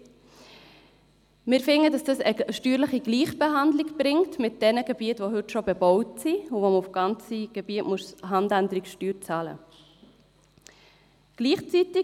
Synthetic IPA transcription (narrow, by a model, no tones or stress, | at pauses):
mɪːɾfɪŋədɑsd̥ɑsəʃtyːɾləχiɡliːχb̥eɦɑndliɡbɾɪŋtmɪt̚d̥ɛnəɡəb̥iətʋoɦʏtʃobebɔʊtsiuvoməufɡ̥ɑnt͡siɡ̥eb̥iətmuəsɦɑndændəɾikʃtyːɾt͡sɑlə̰ | ɡ̥liːχt͡sitɪ